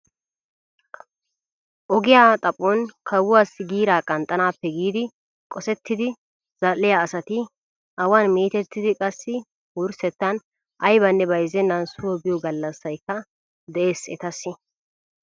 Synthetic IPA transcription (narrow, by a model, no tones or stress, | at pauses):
ʔɔɡɪjaːt̪ʼɐpʼːɔnkʰɐwʊwaːsːɪɡiːɾaːkʼɐnt̪ʼːɐnaːpːɛɡiːd̪ɪ | kʼɔsɛt̪ːɪd̪ɪ | z̥ɐlːɪjaːsɐt̪ɪ | ʔɐwaːnmiːt̪ɛt̪ːɪd̪ɪkʼɐsːɪ | wʊɾsɛt̪ːɐn | ʔɐjbɐnːɛbɐjzɛnːɐnsʊwɔbɪjɔɡɐlːɐsːɐjkːɐ | d̪ɛʔe̞ːsɛ̰t̪ɐsːɪ